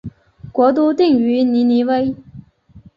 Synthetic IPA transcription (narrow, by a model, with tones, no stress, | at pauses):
kwɔ˧˥t̪̬u˥t̪i˥˨ŋy˧˥ni˧˥ni˧˥we˥ɪ